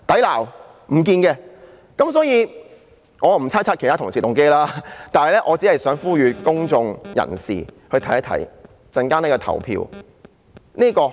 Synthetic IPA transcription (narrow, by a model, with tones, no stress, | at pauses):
t̪ɐ˨˥jlaː˨˩w | m̩˨˩k̬iː˧nkɛː˧ | kɐ˨˥msɔː˨˥jiː˧ | ŋɔː˨˧˨m̩˨˩t͡sʰaː˥t͡sʰaː˥t̚ke˨˩jtʰaː˥t̪ʰʊ˨˩ŋsiː˨˩t̪ʊ˨ŋke˥jlaː˥t̪aː˨nhɐ˨jlɛ˥ʔɔː˨˧t͡si˨˥hɐ˨jsœː˨˥ŋfuː˥jyː˨˧kʊ˥ŋt͡sʊ˧ŋjɐ̰˨˩nsḭː˨˩hɵ˧ɥt̪ʰɐ˨˥jɐ˥t̪ʰɐ̰˨˥j | t͡sɐ˧nkaː˥neː˥˩kɔː˧t̪ʰɐ̰˨˩wpʰḭ˧w | niː˥kɔː˧